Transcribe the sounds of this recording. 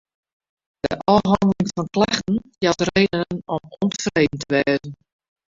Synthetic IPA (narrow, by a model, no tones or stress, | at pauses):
d̥ə̰ʔɔɦɔndəlɪŋfɔnklɛxtn̩jatreːdənənɔmɔnfreːdn̩tʰəʋɛːzn̩